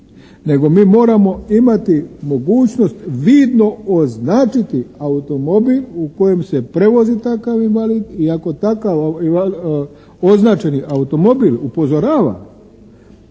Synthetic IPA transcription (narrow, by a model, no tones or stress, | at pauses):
ne̞ɡo̞miːmo̞ːɾamo̞imat̪imo̞ɡuːt͡ɕno̞st̪ʋiːd̪no̞oznaːt͡ʃit̪iaut̪o̞mo̞biluko̞je̞mse̞pɾe̞ʋo̞zit̪akaʋinʋaliːd̪iako̞t̪akaʋiʋal | oznaːt͡ʃe̞niʔaut̪o̞mo̞bilupo̞zo̞ɾaːʋa̰